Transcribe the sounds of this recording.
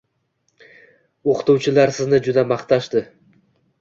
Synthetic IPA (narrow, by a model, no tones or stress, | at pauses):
oqʰɨ̥t̪uwt͡ʃʰɪlaɾsɪznɪd͡ʒʊd̪amaχt̪ʰaʃt̪ɪ